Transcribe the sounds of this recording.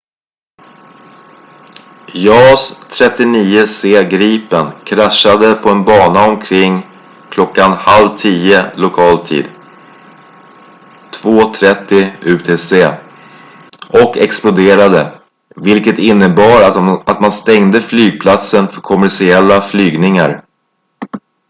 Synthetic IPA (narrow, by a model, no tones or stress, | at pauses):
jɑːst̪ʰɾɛt̪ːɪniːəseːɡɾiːpənkʰɾaʂad̪əpʰɔɛnbɑːnaɔmkʰɾɪŋː | kʰlɔkːanhalvt̪ʰiːəlʊkʰɑːlt̪ʰḭːd̪ | t̪ʰvoːt̪ʰɾɛt̪ːɪʉ̟t̪ʰeːseː | ʔɔkɛksplʊd̪eːɾad̪ə | vɪlkət̪ɪnːəbɑːɾat̪manst̪ɛŋd̪əflyːɡ̚pʰlat̪sənfœɾkʰɔmæʂɪɛlːaflyːɡnɪŋa̰ɾ